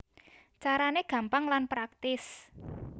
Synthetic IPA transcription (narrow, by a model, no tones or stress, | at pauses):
t͡ʃaɾaneɡ̥a̤mpaŋlanpɾak̚t̪ɪs